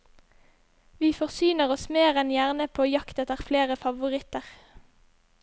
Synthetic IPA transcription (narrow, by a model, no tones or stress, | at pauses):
ʋiːfɔʁsyːnəʁɔsmeːʁɛnjæʁnəpʰoːjɑkt̪ət̪əʁfleːʁəfɑʋʊʁɪt̪əʁ